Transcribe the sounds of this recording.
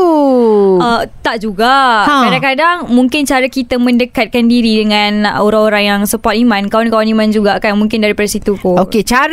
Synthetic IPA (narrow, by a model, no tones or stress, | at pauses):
ət̪aʔd͡ʒuɡakkadaŋkadaŋmũŋkɪnt͡ʃaɾakit̪əmə̃ndəkat̪̚kandiɾidəŋãnoɾaŋoɾaŋjaŋsəpɔt̪imãnkawankawanimand͡ʒuɡakanmũŋkɪndaɾipadasit̪ukooet͡ʃaɾ